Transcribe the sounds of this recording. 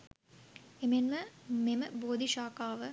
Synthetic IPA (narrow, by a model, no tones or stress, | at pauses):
emenməmeməboːd̪ʱiʃaːkaːʋə